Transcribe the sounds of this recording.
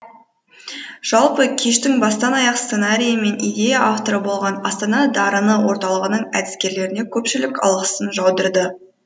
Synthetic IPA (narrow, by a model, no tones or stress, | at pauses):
ʒ̥ɑlˠpəkʲʰe̞ʃt̪ɪŋbɑst̪ɑnɑjɑqsse̞naɾʲijəme̞nijd̪e̞jaʔaft̪oɾəbo̞lˠʁɑnɑst̪ɑnɑd̪ɑɾənəwo̞ɾt̪ɑlˠəʁənəɴæ̰d̪ɪskʲe̞ɾle̞ɾɪne̞kʲʰɵpʃɪlɪkɑ̰lˠʁəsənʒɑwd̪əɾd̪ə